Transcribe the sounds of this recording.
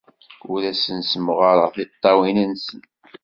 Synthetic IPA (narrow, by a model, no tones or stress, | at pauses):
ʊɾæsənsəməʁəɾˤʁəflit̪ˤːɑwinənsən